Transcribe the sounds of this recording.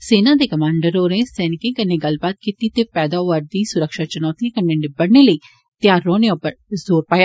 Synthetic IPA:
seːnãːd̪eːkəmãːɳɖəɾoːɾẽːsɛːnɪkẽːkənːeːɡəlbaːt̪̚kiːt̪iːt̪eːpɛːd̪aːʋəɾd̪iːsʊɾəkʃaːt͡ʃʊnɔːt̪ikənːeːnɪbəɽneːləiː | t̪ɪjaːɾːoːneopəɾzoːɾpaːjaː

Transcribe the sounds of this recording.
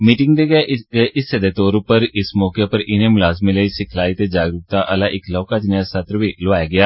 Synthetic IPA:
miːʈɪ̃ŋɡd̪eɡɛɪsəd̪eːt̪oːɾʊpəɾɪsmɔːkepəɾɪnẽːmlaːzmẽləiːsɪkʰlaːit̪eːd͡ʒaːɡɾuːk̚t̪aːʔəlaːʔɪklɔːkaːd͡ʒɪnasət̪ɾʋiːlʊʋaːjaːɡɪaː

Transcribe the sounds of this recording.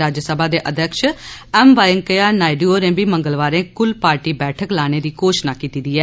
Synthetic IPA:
ɾaːd͡ʒsəbʱaːd̪eːʔəd̪jəkʃɛːmʋaːjəŋkəjaːnaːɪɖioːɾẽːbiːməŋɡəlʋaːɾẽːkʊlpaːɾʈiːbɛːʈʰəklaːɽ̃eːd̪iːkoːʃnaːkiːt̪iːd̪iːɛː

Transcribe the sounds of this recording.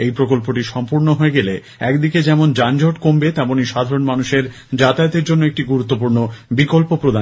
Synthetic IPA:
ejpɾokolpoʈiʃɔmpuɾnoɦoeɡele | ɛkd̪iked͡ʑɛmond͡ʑand͡ʑʱoʈkombet̪ɛmoniʃad̪ʱaɾonmanuʃeɾ | d͡ʑat̪aot̪eɾd͡ʑonːoek̚ʈiɡuɾut̪ːop̬uɾnobikolpopɾod̪ʱa

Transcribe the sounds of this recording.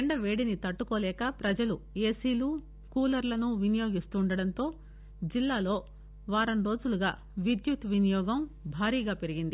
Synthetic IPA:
eɳɖɐʋeːɽinit̪ɐʈːukoːlɛːkɐpɾɐd͡ʒɐlueːsiːluː | kuːlɐɾlɐnuʋinijo̞ːɡist̪uːɳɖɐɽɐnt̪o̞ː | d͡ʒilːaːlo̞ː | ʋaːɾɐnɾo̞ːd͡ʒuluɡa̰ː | ʋid̪jut̪ʋinijɔːɡɐmbʱaːɾiːɡaːpe̞ɾiɡind̪i

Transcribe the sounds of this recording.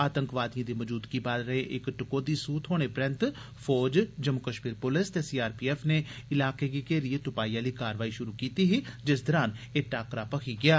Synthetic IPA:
aːt̪əŋkʋaːd̪ijãːd̪iːməd͡ʒuːd̪kiːbaːlɾəẽʔɪkʈɪkoːd̪iːsuːt̪ɦoːɽ̃eːpɾɛnt̪ | pʰɔːd͡ʒd͡ʒəmʊkəʃmiːɾpʊlɪst̪eːsiːaːɾpiːɛːfʰneːɪlaːkeːkiːkeːɾiet̪ʊpaːiːãːliːkaːɾʋaːiːʃʊɾuːkiːt̪iːɦid͡ʒɪsd̪əɾaːneːʈaːkɾaːpəkʰiːɡɪjaː

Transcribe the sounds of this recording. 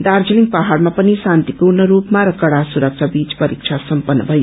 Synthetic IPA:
d̪aɾd͡ziliŋ̚paɦaɾmapʌnisant̪ipuɾnʌɾupmaɾʌkʌɽasuɾʌk̚t͡ʃʰabit͡spʌɾik̚t͡ʃʰasʌmpʌnːʌbʱʌj

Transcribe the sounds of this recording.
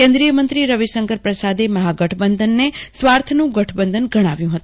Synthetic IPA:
kẽnd̪ɾijəmənt̪ɾiɾəʋiʃəŋkəɾpɾəsad̪eməɦaɡəʈʰbənd̪ʱənːesʋaɾt̪ʰnũɡəʈʰbənd̪ʱənɡəɽ̃aʋjũɦət̪ũ

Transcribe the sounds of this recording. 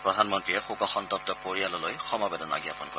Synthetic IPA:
pɹɔdʱanmɔntɹiɛxukɔxɔntɔp̚tɔpoɹialɔlojxɔmabɛdɔna̰ɡiapɔnkɔ

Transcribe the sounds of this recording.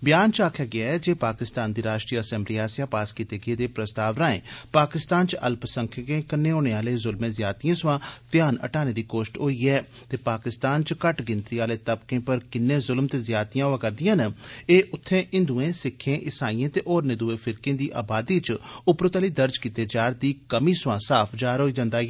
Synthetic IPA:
bjaːnt͡ʃaːkʰjaːɡɪaːɛːd͡ʒeːpaːkɪst̪aːnd̪iːɾaːʃʈɾiːəsɛ̃ːmbliːaːsjaːpaːskiːt̪eːɡeːd̪eːpɾəst̪aːʋɾaːḛ̃ːpaːkɪst̪aːnt͡ʃə̰lpsəŋkʰkẽːkənːeːoːɽ̃eːaːleːzʊlmẽːzjaːt̪ijãːsʊʋãːt̪ɪjaːnə̰ʈaːneːd̪iːkoːʃʈɦoːiːɛː | t̪eːpaːkɪst̪aːnt͡ʃkəʈɡɪnt̪ɾiːaːleːt̪əbkẽːpəɾkɪnːẽːzʊlmt̪eːzjaːt̪ijãːoãːkəɾd̪ɪjãːnəeːʔʊt̪ʰːẽːʔɪ̃nd̪uẽːsɪkʰːẽːʔɪsaːiẽːt̪eːʔɔːɾnɪ̃d̪uẽːfʰɪɾkẽːd̪iːʔa̰ːbaːd̪iːt͡ʃʊpɾʊt̪aːliːd̪əɾd͡ʒkiːt̪eːd͡ʒaːɾd̪iːkəmiːsʊʋãːsaːpʰd͡ʒaːɾɦoːiːd͡ʒãːnd̪aː

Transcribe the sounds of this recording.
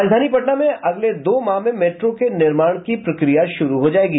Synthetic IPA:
d͡ʒd̪ʱaːnipɐʈnamẽʔɐɡled̪oːmaːɦmẽmeːʈɾõkenɪɾmaːɽ̃kipɾɐkɾijaʃʊɾuɦod͡ʒaːeːɡiː

